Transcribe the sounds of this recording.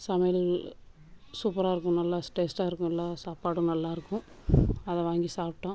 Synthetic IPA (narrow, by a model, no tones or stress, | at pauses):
sɐmɐjɐl | suːpɐɾaːɪɾɯkːʊ̃nɐlːaːsʈeːsʈaːɪɾɯkːʊ̃ɛlːãːsaːpaːɽũnɐlːaːɪɾɯkːʊ̃ | ɐðɛ̃ʋaːŋɡisaːpʈːɐ̃